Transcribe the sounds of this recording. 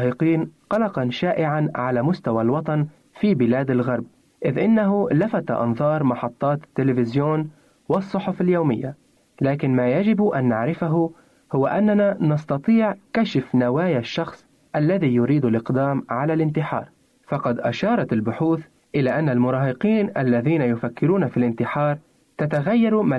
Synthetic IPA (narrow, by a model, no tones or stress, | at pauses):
hɪqiːnqɑlɑqɑnʃaːʔɪʕanʕalamʊst̪awalwɑt̪ˤɑn | fiːbɪlaːd̪alɣɑɾˤb̚ | ʔɪðʔɪnːaɦʊlafat̪a̰ʔɑ̰nðˤɑːɾˤmɑħɑt̪ˤːɑːt̪t̪ːɪlɪfɪzjoːn | wɪsˤːʊħʊfaljoːmɪjːa | laːkɪnmaːjad͡ʒɪbʔanːaʕɾɪfaɦʊ | hʊwːaʔanːananɑst̪ɑt̪ˤiːʕkaʃɪfnawaːjaʃːɑxsˤ | ʔalːaðijʊɾiːd̪alʔɪqd̪aːmʕalalʔɪnt̪ɪħɑ̰ːɾˤ | fɑqɑd̪ʔa̰ʃɑːɾˤɑt̪ɪlbʊħuːθ | ʔɪlaʔanːalmʊɾˤɑːhɪqiːnʔalːaðiːnajʊfakːɪɾuːnafilʔɪnt̪ɪħɑːɾˤ | t̪at̪aɣajːɑɾˤma